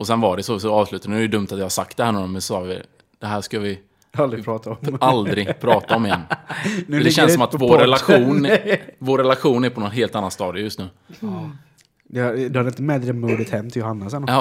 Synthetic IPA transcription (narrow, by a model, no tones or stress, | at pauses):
ɔsɛnvaɖɛsɔsɔɑːvslʉ̟ːt̪anɛjəd̪ɵmt̪at̪jɑːhaɾsak̚t̪̚d̪ɛhæːɾɳɔːɾɔnmɛnsɔsɑːɡvɪ̰ | d̪̥ɛɦæːʂkavɪ | ald̪ɾɪpʰɾɑːt̪aɔald̪ɾɪɡpʰɾɑːt̪aɔmɪjɛnː | d̪ɛɕɛnsɔmat̪voɾɛlaɧuːnvoːɾːɛlaɧuːnæɾpʰɔnɔnɦeːlt̪anːanst̪ɑːd̪ɪjɵst̪nʉ̟ː | d̪ɛad̪ɵhad̪ɪnt̪əmɛd̪ɾəmuːd̪ɪt̪hɛmːt̪ʰɪljʊhanːasɛnːɑː